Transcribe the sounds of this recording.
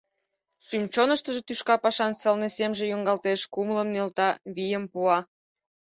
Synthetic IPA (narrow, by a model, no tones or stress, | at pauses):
ʃymt͡ɕonəʃt̪əʒet̪yʃkɑpɑʃɑnsəlnesemʒejoŋɡɑlt̪eʃkumləmnelt̪ɑβijəmpuɑ